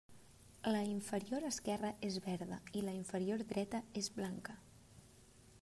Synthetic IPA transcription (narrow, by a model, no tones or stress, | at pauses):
ləiɱfəɾioɾəskɛrəʔezβɛɾðə̰iləiɱfəɾioɾd̪ɾɛt̪əezβlaŋkə